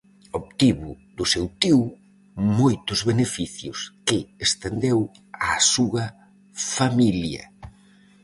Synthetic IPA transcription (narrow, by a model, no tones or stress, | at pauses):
opt̪iβʊ | ðʊsewt̪iw | mojt̪ʊzβenefiθjʊskɪest̪end̪ew | asuɐ | familjɐ̰